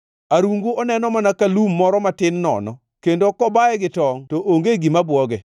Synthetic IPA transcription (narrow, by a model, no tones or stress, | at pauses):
aɾuŋɡoɔnɛnɔmanakalumːɔɾɔmatɪnːɔ̰nɔ | kendokɔbaɛɡɪtɔŋtoʔoŋɡeɡimabwɔɡɛ